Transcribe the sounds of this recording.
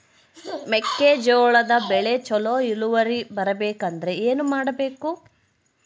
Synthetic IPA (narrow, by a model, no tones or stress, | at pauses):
mekːeːd͡ʒoːɭɐd̪ɐbɛɭet͡ʃɔloːiluʋɐɾibɐɾɐbeːkɐnd̪ɐɾe̞eːnumaːɽɐbeːku